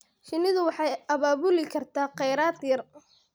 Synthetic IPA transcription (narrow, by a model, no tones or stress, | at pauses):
ʃɪnɪðʊwɑħɑjɐβaːβʊlɪkʰɐrt̪ʰaːqɛjɾaːd̪jɐr